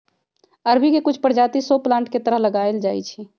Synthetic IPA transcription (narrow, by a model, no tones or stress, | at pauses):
əɾbʱikekʊt͡ʃʰpəɾd͡ʒaːt̪isoplãɳʈket̪əɾəɦləɡaeld͡ʒaːḭt͡ʃʰi